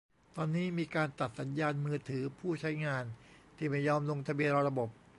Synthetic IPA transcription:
t̪ɔː˧nːiː˦˥miː˧kaː˧nt̪a˨˩t̪̚sa˩˦njaː˧nmɯː˧t̪ʰɯː˩˦pʰuː˥˩t͡ɕʰa˦˥jŋaː˧nt̪ʰiː˥˩ma˥˩jːɔː˧mlo˧ŋt̪ʰa˧bi˧ənɾa˧ɾa˧bo˨˩p̚

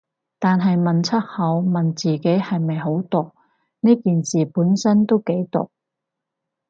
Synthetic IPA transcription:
t̪aː˨nɦɐ˨jmɐ˨nt͡sʰɐ˥t̚hɐ˨˧wmɐ˨nt͡siː˨ke˨˥jhɐ˨jmɐ˨jɦo˨˥wt̪ʊ˨k̚ | neː˥kiː˨nsiː˨puː˨˥nsɐ˥nt̪o˥wke˨˥jt̪ʊ̰˨k̚

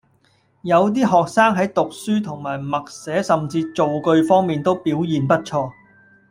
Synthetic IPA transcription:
jɐ˨˧wt̪̬iː˥ɦɔː˨k̚saː˥ŋɦɐ˨˥jt̪ʊ˨k̚syː˥t̪ʰʊ˨˩ŋmaː˨˩jmɐ˨k̚sɛː˨˥sɐ˨mt͡siː˧t͡so˨wkɵ˧ɥfɔː˥ŋmiː˨nt̪o˥wpiː˨˥wjiː˨npɐ˥t̚t͡ʃʰɔː˧

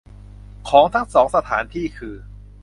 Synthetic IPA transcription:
kʰɔː˩˦ŋt̪ʰaː˦˥˩ŋsɔː˩˦ŋsa˧t̪ʰaː˩˦nt̪ʰiː˥˩kʰɯː˧

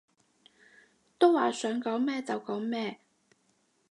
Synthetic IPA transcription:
t̪o˥wwaː˨sœː˨˥ŋkɔː˨˥wmɛː˥t͡sɐ˨wkɔː˨˥ŋmɛː˥˩

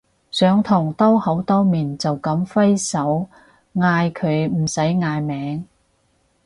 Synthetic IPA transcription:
sœː˨˧ŋt̪ʰʊ˨˩ŋt̪ɔː˥hɐ˨˥wt̪ɔː˥miː˨˩nt͡sɐ˨wkɐ˨˥mfɐ˥jsɐ˨˥w | ŋaː˧jkʰɵ˨˧ɥm̩˨˩sɐ˨˥jŋaː˧jmɛː˨˥ŋ

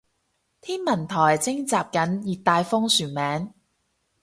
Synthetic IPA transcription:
t̪ʰiː˥nmɐ˨˩nt̪ʰɔː˨˩jt͡sɪ˥ŋt͡saː˨p̚kɐ˨˥njiː˨t̪ːaː˧jfɔː˥ŋsyː˨˩nmɛː˨˥ŋ

